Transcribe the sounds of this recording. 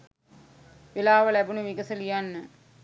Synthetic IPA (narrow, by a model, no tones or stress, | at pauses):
ʋelaːʋəlæbunuʋiɡəsəlijanːə